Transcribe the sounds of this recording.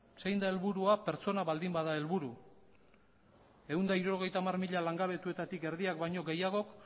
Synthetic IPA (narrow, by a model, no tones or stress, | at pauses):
sejnd̪ae̞lβuɾuape̞ɾt͡so̞naβald̪imbaðae̞lβuɾu | e̞und̪aiɾuoɣ̞e̞jt̪aːmarmiʎalaŋɡaβe̞t̪ue̞t̪at̪ike̞ɾðiakbajɲo̞ɡe̞jaɣ̞o̞k